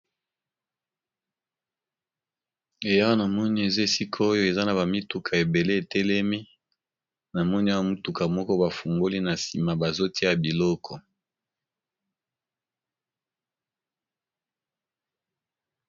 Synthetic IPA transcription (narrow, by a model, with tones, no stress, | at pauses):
e˨ja˦wa˦na˨mɔ˦ni˦e˨ze˦˨si˦kʰɔ˦o˦jo˦e˨za˦na˨ba˨mi˦tu˨kʰa˨e˨be˨le˦e˨tɛ˦lɛ˦mi˦ | na˨mɔ˦ni˦a˦wa˦mu˦tu˨ka˨mɔ˦kɔ˦ba˨fu˨ŋɡo˦li˦na˨si˨ma˨ba˨zo˦tʰi˦a˨bi˨lɔ˦kʰɔ˨